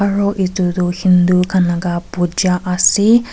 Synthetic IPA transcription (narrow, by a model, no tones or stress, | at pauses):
aɹɔʔit̪ud̪uhind̪ukʰanaɡapud͡ʒaʔasi